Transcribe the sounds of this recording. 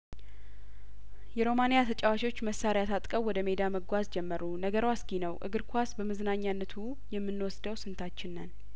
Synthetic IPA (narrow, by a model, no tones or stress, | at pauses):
jɛɾo̞manejat̪ʰət͡ʃʼawaʃwo̞t͡ʃːməsːaɾjat̪ʰat̪ʼkʼəwwːɔd̪əme̞d̪aməɡʷazd͡ʒɛmːəɾunəɡəɾwasɡinəwʔɨ̰ɡɨɾkʰʷasbəməznaɲːanːət̪ʰu | jɛmːɨnːwɔsd̪əwsɨnt̪ʰat͡ʃːɪnːən